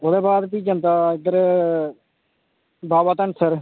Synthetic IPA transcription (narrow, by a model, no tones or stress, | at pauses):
oːd̪eːbaːd̪piːd͡ʒə̃nt̪aːɪɡ̚d̪əɾ | baːbaːt̪əɳsəɾ